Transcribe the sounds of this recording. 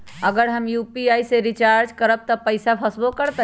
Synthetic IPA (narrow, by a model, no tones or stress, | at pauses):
əɡəɾɦəmjupiaiseɾit͡ʃaɾd͡ʒkəɾəb̚t̪əpəɪsapʰəsbokəɾt̪